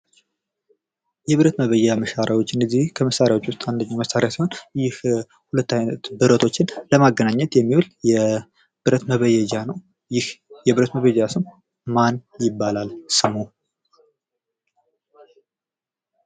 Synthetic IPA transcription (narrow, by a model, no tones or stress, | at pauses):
jɛβɨɾət̪məβəjɛjaməʃaɾjawo̞t͡ʃːɪnɨzihkʰəməsaɾjawot͡ʃːwʊst̪ʼand̪əɲːaməsaɾjasiho̞njɪh | hulət̪ːajnət̪bɨɾət̪ʰo̞t͡ʃːɪnləmaɡːənaɲːɛt̪jɛmːiwuljɛ | bɨɾət̪məβəjɛd͡ʒanəw | jɪhjɛβɨɾət̪məβəjɛd͡ʒasɨm | manjɪbːalalsɨmo